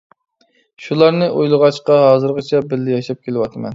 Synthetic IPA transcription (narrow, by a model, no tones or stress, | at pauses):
ʃulˠɑɾnɨʔojlˠəʁɑt͡ʃqɑɦɑːzɨɾʁət͡ʃʰɛbɪlːɪjɑʃɑp̚kʲelɪwɑt̪ʰɨmɛ̰n